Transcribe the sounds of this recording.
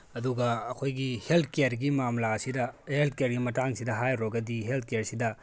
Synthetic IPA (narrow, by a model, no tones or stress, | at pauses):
ɐduɡɐɐkʰojɡiheltʰkejɐɾɡimamlaɐsidɐhelt̚ʰkejɐɾɡimɐtaŋsidɐɦajɾoɡɐdiɦelt̚ʰkejaɾsidɐ